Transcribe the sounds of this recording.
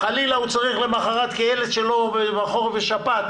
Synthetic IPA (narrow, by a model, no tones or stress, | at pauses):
χalilaut͡saʁiχle̞maχaʁat̪kaelet̪ʃelo̞bemaχo̞ʁveʃapat̪